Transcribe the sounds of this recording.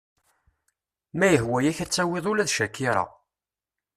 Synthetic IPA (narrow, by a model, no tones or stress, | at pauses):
mæjəɦwæjæçæt͡sːæweðˤʊlæðʃækːiɾˤɑ̰